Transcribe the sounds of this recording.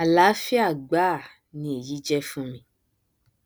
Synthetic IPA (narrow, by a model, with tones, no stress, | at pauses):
a˨la˨˦fi˦a˦˨ɡ͡ba˦˨ | nĩ˧e˨ji˨˦d͡ʒɛ˦fũ˦mĩ˧